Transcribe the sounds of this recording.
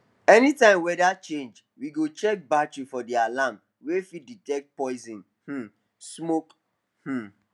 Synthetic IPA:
ɛnitãɪ̃mwɛdat͡ʃẽnd͡ʒ | wiɡot͡ʃɛk̚batɹifɔdialãm | wefiditɛk̚t̚pɔɪzĩn | h̩ | smok | h̩

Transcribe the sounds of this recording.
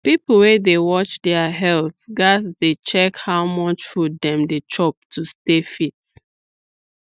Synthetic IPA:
pipl̩wedewɔt͡ʃdɛaɦɛlˠθɡasdet͡ʃɛkhawmɔt͡ʃfɔdɛ̃mdet͡ʃɔp̚tʰustefit̚

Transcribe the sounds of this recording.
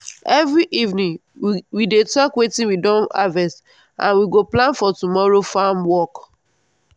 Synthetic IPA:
ɛvɹiʔivnĩŋ | widetɔkwetĩnwidɔ̃na̰vɛs | ʔã̰nwiɡoplãnfɔtumɔɹofamwɔk

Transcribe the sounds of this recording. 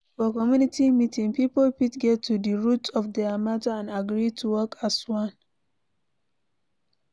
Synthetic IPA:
fɔkɔmjunitimitĩŋpipolpitɡɛtʰːudəɹutʰɔfdɛamatəãnaɡɹitʰuwɔkʰaswãn

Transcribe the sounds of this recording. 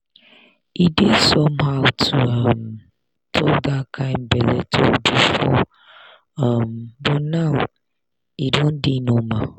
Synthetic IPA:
idesɔmhaʊtʰuʌm | tʰokdakʰãɪ̃mbɛlɛ̰tʰobifɔ̰ | ambɔnaʊ | idõndinõmã

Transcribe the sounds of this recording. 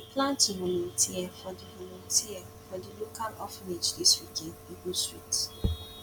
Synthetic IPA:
ɪplãntiɦolotiɛfɔdiɦolũtiɛ | fɔdilokalɔfned͡ʒdiswikeniɡustɹit

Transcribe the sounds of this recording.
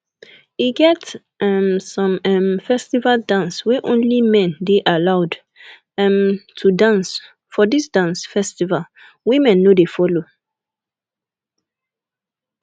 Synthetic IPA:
iɡɛt | ɛmsɔ̃mɛmfɛstivaldãnswɛʔõnlimɛ̃ndeʔalaʊd | ɛmtʰudãns | fɔdisdãnsfɛstival | wimɛ̃nːodefɔlo

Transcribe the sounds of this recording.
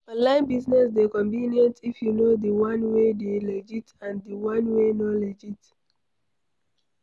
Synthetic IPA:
alãɪ̃nbiznɛsdekɔ̃mbiniɔ̃ntifjunodiwãnwedeled͡ʒitãndiwãnwenɔled͡ʒit

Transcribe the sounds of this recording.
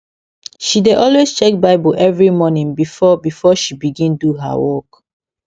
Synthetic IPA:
ʃideʔɔlwest͡ʃɛk̚baɪbɔʔɛvɹimɔnĩŋbifɔbifɔʃibiɡĩnduɦa̰wɔk

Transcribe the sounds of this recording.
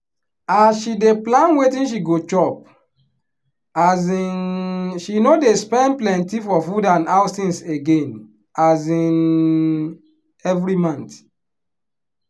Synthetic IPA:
asʃideplãnwetĩnʃ̬iɡot͡ʃɔp̚ | azinʃinodespɛ̃nplɛ̃ntifɔfudãnasĩnseɡẽn | azĩn | ɛvɾimãnt

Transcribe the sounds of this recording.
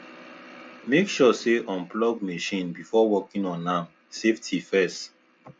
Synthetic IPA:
mekʃɔseʔɔ̃mplɔɡmeʃĩnbifɔwɔkĩnɔ̃nãm | seftʰifɛs

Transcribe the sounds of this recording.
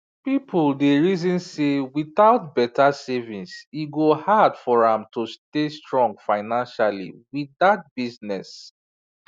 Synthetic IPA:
pipʰuldeɹizĩnsewiθaʊt̚bɛtʰasɛvĩnsiɡohadfɔɹãmtustestɹɔ̃ŋɡfaɪnãnʃalḭwiðat̚b̥iznɛs

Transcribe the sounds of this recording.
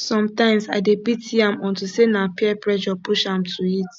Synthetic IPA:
sɔ̃mtãɪ̃msaɪdebitiãmɔ̃ntusenapiɛpɹɛd͡ʒɔpuʃãmtʰuit

